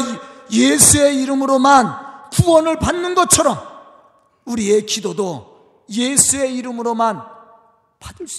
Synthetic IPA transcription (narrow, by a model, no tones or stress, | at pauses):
jesʰue̞iɾɯmɯɾomankuʌnɯɭpanːɯnɡʌt͡ɕʰʌɾʌm | uɾie̞kidodo | jesʰue̞iɾɯmɯɾoman | padɯs